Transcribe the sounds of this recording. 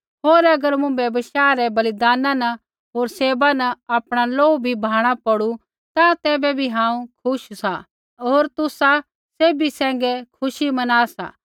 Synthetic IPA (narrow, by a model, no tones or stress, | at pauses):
ɦoːɾɐɡəɾmũbebɐʃaːɾɛbɐlɪd̪aːnãnɐ | ɦoːɾseːbanɐaːpɽ̃aloːubʱibʱaːɽ̃apɐɽu | t̪ãt̪ɛːbɛbʱiɦãːũkʰʊʃsa | oːɾt̪ʊsa | seːbisɛ̃ːŋɡɛkʰʊʃimɐnaːsa̰ː